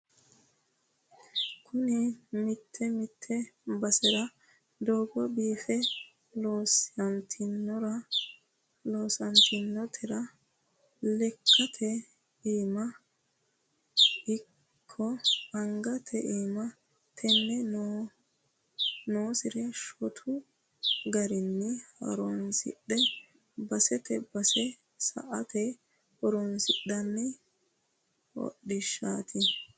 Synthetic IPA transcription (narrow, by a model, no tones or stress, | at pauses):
kʰʊnɪmɪt̪ʰːɛmɪt̪ʰːɛbɐsɛɾɐ | d̪oːɡɔbiːfɛ | loːsɐnt̪ʰɪnːɔɾɐ | lo̞ːsɐnt̪ɪnːɔt̪ʰɛɾɐ | lɛkʰːɐt̪ʰɛ | iːmɐ | ɪ | kʰːɔɐŋɡɐt̪ʰɛʔiːmɐ | t̪ʰɛnːɛnː | noːsɪɾɛʃɔt̪ʰʊ | ɡɐɾɪnːɪhɐ̰ɾɔnsɪ̰ɗːɛ | bɐsɛt̪ɛbɐsɛ | sɐ̰ʔɐt̪ɛ | hɔɾɔnsɪɗːɐnːɪ | wɔ̰ɗːɪʃːaːt̪ʰɪ